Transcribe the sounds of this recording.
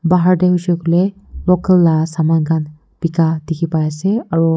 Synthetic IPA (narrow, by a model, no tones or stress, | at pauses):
baɦaɹdɛɦusɔkulɛ | lɔkəlːasamankʰan | b̥ikadikʰipajasɛaɹu